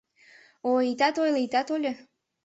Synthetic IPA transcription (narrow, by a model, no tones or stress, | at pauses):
oit̪ɑt̪ojlit̪ɑt̪olʲə